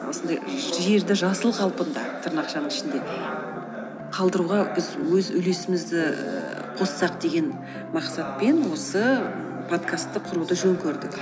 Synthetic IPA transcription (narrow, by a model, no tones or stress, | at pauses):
wo̞sənd̪ɑjʒe̞ɾd̪ɪʒɑsəlˠqʰɑlˠpənd̪ɑ̰t̪ʰəɾnɑqʃɑnəɴɪʃɪnd̪e̞ | qʰɑlˠd̪əɾuʁɑbɪzwɵzʏle̞sɪmɪzd̪ɪ̰ | qʰo̞ssɑq̚d̪e̞ɡʲe̞n | mɑqsɑt̪̚pe̞nwo̞sə | pʰo̞t̪kʰast̪ːəqʰʊɾud̪əʒɵŋkʲʰɵɾd̪ɪk